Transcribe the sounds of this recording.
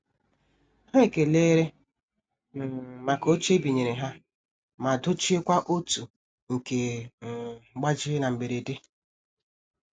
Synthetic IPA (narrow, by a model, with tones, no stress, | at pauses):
ha˦e˨ke˨leː˦ɾe˦ | m̩˨ma˨ko˦t͡ʃe˦bi˨ɲe˨ɾe˨ɦa˦ | ma˨dʊ˦t͡ʃi˦e˦kʷa˦ʔo˦tu˨ | ŋ̩˨ke˨ | ɡ͡ba˦d͡ʒɪ˦na˨m̩˨be˨ɾe˨de˦